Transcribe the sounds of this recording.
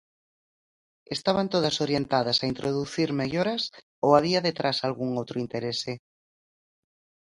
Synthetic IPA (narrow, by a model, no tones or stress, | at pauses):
est̪aβant̪oð̞ɐsoɾjent̪aðɐsaint̪ɾoðuθiɾmeʎoɾas | oaβiaðet̪ɾasalɣuŋowt̪ɾoint̪eɾese